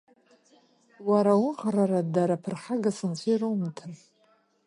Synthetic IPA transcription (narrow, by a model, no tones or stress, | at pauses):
waɾawʊnqraɾadaɾapʰɨrħaɡasɨnt͡sʷʰijɾomtʰɨr